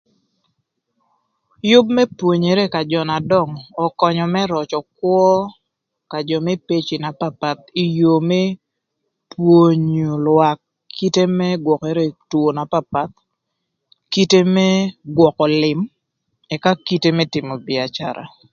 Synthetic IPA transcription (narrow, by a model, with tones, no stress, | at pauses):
jʊ˦b̚mɛ˦pwo˨ɲe˨ɾe˦ka˨d͡ʒɔ˨na˨dɔ˦˨ŋɔ˨kɔ˨ɲɔ˨mɛ˦ɾɔ˨t͡ʃɔ˨kwɔ˦ | ka˨d͡ʒɔ˨mɛ˦pe˦t͡ʃi˨na˨pa˦pa˨t̪̚i˨jo˨me˦ | pwo˦˨ɲu˨lwa˨kʰː | i˦te˦mɛ˦ɡwɔ˨ke˨ɾe˦two˨na˨pa˦pa˦t̪̚ | ki˦te˦mɛ˦ɡwɔ˨kɔ˨lɪ˨m | ɛ˨ka˦ki˦te˦mɛ˦tɪ˨mɔ˨bɪ˨a˨t͡ʃa̰˨ɾʔa̰˨